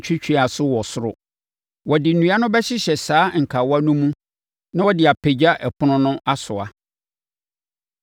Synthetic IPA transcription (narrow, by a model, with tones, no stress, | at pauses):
t͡ɕʰᶣɪ˦t͡ɕᶣi˦a˨sʊ˦wɔ˨sʊ˦ɾʊ̰˨ | wɔ˨dɪ˨n̩˨nũ˨˦a˦nʊ̃˦bɛ˦ɕɪ˦ɕɛ˨saː˦ŋ̩˨kʰa˨wa˦nũ˦mũ˦ | nã˦wɔ˦dɪ˨a˨pʰe˨d͡ʑa˦ʔɛ˨pʰʊ˦nʊ̃˦nʊ̃˦ʔa˦sʊ˨a˨